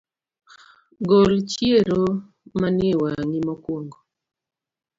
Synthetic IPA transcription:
ɡolt͡ʃjieɾo | manewaŋimɔkwoŋɡo

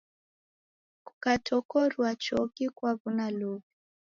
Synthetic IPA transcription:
kukatʰɔkɔɾwat͡ʃɔkikwaβunalɔβi

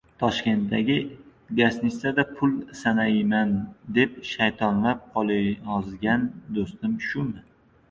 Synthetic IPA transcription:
t̪ʰɒʃkʲe̞nt̪̚d̪aɡʲɪɡasnɪsad̪apʰʊlˠsanamand̪e̞p̚ʃajt̪ʰɒnlap̚qʰɒlˠɒzɡʲand̪ost̪ɪmʃʊmɪ

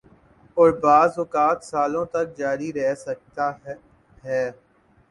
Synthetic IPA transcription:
ɔːɾbaːzʊkaːt̪saːlõt̪ɐk̚d͡ʒaːɾiɾɛɦsɐk̚t̪a | ɦɛː

